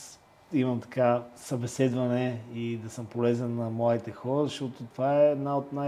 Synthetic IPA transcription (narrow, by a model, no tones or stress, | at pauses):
imɐmt̪ɐ̥kasɐbɛsɛd̪vɐnɛid̪ɐsəmpolɛzənːɐmlˠad̪it̪ɛxɔɾəzɐʃt̪ɔt̪ot̪ovaɛːd̪naot̪na